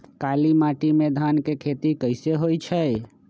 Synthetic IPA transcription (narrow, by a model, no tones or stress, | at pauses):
kalimaʈimed̪ʱankekʰet̪ikəɪseɦojt͡ʃʰɛj